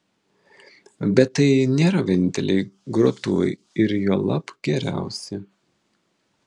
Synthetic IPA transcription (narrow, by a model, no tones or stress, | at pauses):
bʲɛt̪ːɐɪnʲeːɾɐʋʲeːnʲɪnʲt̪ʲɛ̰lʲɛɪɡɾot̪ṵɪ | ɪɾjoːlˠɐpɡʲɛɾʲæ̰ˑʊsʲɪ